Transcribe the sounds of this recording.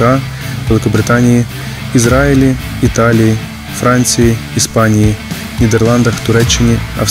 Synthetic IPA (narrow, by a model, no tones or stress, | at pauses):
aʋɛlˠɪkɔbɾɪt̪anʲiji | izɾaɪlʲi | it̪alʲiji | fɾɑnʲt͡sʲijiːspɑnʲiji | nʲid̪ɛrlˠɑnd̪ɐxt̪ʊɾɛt͡ʃːɪnʲiɐ̰